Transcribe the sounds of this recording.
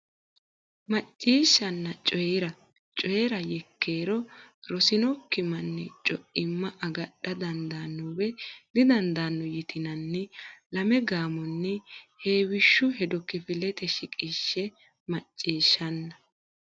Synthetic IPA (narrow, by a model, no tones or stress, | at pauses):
mɐt͡ʃʼːiːʃːɐnːɐt͡ʃʼɔjɾɐ | t͡ʃʼɔjɛɾɐjɛkːeːɾɔɾɔsɪnɔkːɪmɐnːɛt͡ʃʼɔʔɪmːɐʔɐɡɐɗɐd̪ɐnd̪aːnːɔwɛd̪ɪd̪ɐnd̪aːnːɔjɪt̪ɪnɐnːɛlɐmɛɡaːmɔnːɛheːwɪʃːʊɦɛd̪ɔkɪfɪlɛt̪ɛʃɪkʼiːʃːɛ | mɐt͡ʃʼːiːʃːɐnːɐ